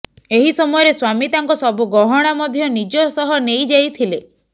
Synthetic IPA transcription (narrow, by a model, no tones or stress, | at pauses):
eɦisɔmɔjɔɾeswamit̪aŋkɔsɔbuɡɔɦɔɽ̃amɔd̪ʱjɔnid͡ʒɔsɔɦɔnejd͡ʒajt̪ʰile